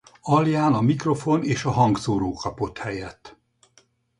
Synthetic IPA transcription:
ɒljaːnɒmikro̞foneːʃɒɦɒŋɡsoːɾoːkʰɒpo̞t̪hɛjɛt̪ː

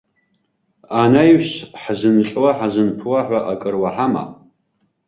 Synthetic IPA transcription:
anajwɕħzɨnqʼwaħazɨnpʰwaħʷaʔakʼɨrwaħama̰

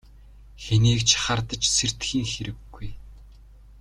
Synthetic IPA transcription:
xeniːkt͡ɕʰχart̪ə̆t͡ɕser̥t̪xiːŋxeɾɘ̆ɡːuj

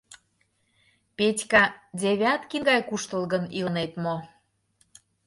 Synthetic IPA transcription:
petʲkɑd̪ʲeβʲɑt̪kinɡɑjkuʃt̪əlɣənilənet̪mo

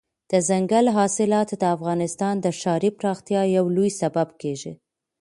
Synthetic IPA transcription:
d̪̥əzaŋɡalɦɑsɪlɑt̪d̪əafɣɑnɪst̪ɑnd̪əʃɑɾipɾɑxt̪jɑjawlujsababkeʒi

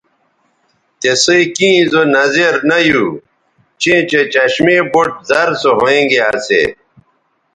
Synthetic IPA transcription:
t̪esoikĩːzonɐzeɾnɐju | t͡ɕẽːt͡ɕet͡ɕɐɕmeboʈ̚zɐɾsoɦoẽŋɡeasḛ

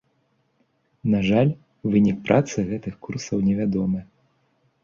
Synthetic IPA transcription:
naʐalʲ | vɨnʲik̚pɾʔat̪sɨɣɛt̪ɨxkursɐwnʲɛvʲad̪ɔmɨ

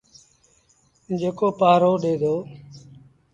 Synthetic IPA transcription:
d͡ʒeːkoːpaːɾoːɗeːd̪ʱoː

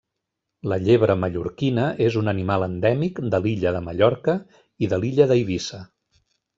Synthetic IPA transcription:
ləʎeβɾəməʎuɾkinəʔezunənimalˠənd̪ɛmikd̪əliʎəðəməʎɔɾkə | iðəliʎəðəiβisə

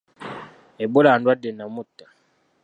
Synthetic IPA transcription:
ebolandwadenamutḁ

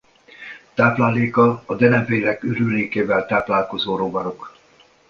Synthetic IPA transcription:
t̪aːplaːleːkɒːd̪ɛnɛɱveːɾɛkyɾyleːkeːvɛlt̪aːplaːlko̞zoːɾoːbɒnok

